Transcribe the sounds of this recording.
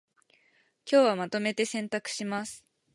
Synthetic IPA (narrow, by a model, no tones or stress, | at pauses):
kʲo̞ːβamat̪o̞me̞t̪e̞sẽ̞nt̪akɯ̥ɕimasɨ̥